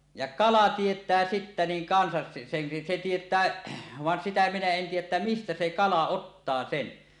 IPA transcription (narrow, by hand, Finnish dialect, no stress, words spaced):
jɑ kɑlɑ tietˑæː sitːæ niːŋ kɑnsɑs se sen se tietˑæː ʋɑn sitæ minæ en tiːjˑæʔ ʔetːæ mistæ se kɑlɑ otːɑː sen